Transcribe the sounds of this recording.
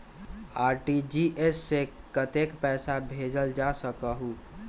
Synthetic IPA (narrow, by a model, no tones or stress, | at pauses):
aɾʈid͡ʒiʔesːekət̪ekpɛsabʱed͡ʒəld͡ʒasəkəɦu